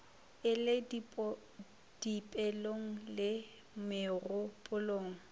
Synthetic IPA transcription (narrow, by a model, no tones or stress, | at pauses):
ɪlɪd | d̥ipʼɛloŋ̩lɪ | mɪrʊpʼʊloːŋ̩